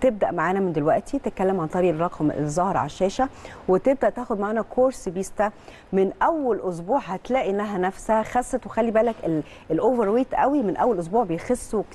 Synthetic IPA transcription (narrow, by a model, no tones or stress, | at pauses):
t̪eb̚d̪æʔmaʕaːnæmend̪elwæʔt̪ʰit̪et̪̚kælːemʕant̪ˤɑɾiːʔrˤːɑqʰmḛzˤːɑhɾʕa̰ʃːæːʃæwet̪eb̚d̪æʔt̪æːxod̪̚maʕaːnækʰoːɾsbiːst̪æ | mɪnʔæwːælʔos̬buːʕhæt̪læːʔiʔnːæɦænæfshæxæsˤːet̪wexælːibæːlækel | elʔoːveɾwiːt̪ʔæ̰wimenʔæwːælʔos̬buːʕbejxosːo